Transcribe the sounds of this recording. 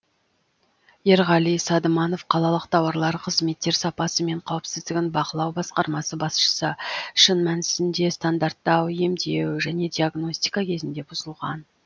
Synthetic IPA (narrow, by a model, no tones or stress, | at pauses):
je̞ɾʁɑlˠijsɑd̪əmɑno̞fqʰɑlˠɑlˠəqt̪ʰɑwɑɾlˠɑɾqʰəzme̞t̪ːe̞ɾsɑpɑsəme̞ɴqʰɑwəpsɪzd̪ɪɡʲɪnbɑqəlˠɑwbɑsqɑɾmɑsəbɑsʃə̥səʃənmænɪsɪnd̪e̞st̪and̪aɾt̪ːɑwje̞md̪e̞wʒæne̞d̪iaɡno̞sʲt̪ijkɑkʲʰe̞zɪnd̪e̞bʊzəlˠʁɑ̰n